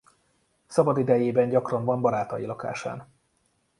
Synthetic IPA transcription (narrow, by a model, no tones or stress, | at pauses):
sɒbɒd̪id̪ɛjeːbɛɲɟɒkrɒɱvɒmbɒɾaːt̪ɒjilɒka̰ːʃa̰ːn